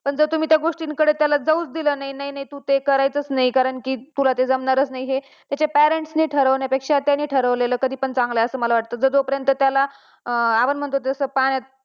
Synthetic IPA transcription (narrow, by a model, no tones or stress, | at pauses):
pəɳd͡zət̪um̤iːt̪jaɡoʂʈiŋkəɽet̪jalad͡zəuːt͡sd̪iləːnainaɦinaɦit̪uːt̪ekəɾajt͡sət͡snaijkaɾəɳkiːt̪ulat̪ed͡zəmnaɾət͡snaiɦe | t̪jat͡ɕapæɾeɳʈsniːʈʰəɾəʋnjapekʂat̪ːjanːiːʈʰəɾəʋleləːkəd̪ʱiːpəɳt͡sãŋɡlajəsəːməlaʋaʈ̚t̪əːd͡zəd͡z̪opəɾjənt̪ət̪jala | aʋənm̤əɳt̪ot̪eəsəpaɽ̃jat̪̚